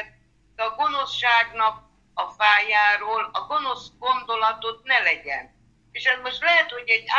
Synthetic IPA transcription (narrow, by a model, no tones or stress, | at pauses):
t̚ | ɛɒɡo̞no̞sʃaːɡnɒk̚ | ɒfaːjaːɾoːlɒɡo̞no̞sɡo̞nd̪o̞lɒt̪ot̪̚nɛlɛɟɛ̰n | eːʃɛzmo̞ʃt̪lɛɦɛt̪ho̞ɟɛɟa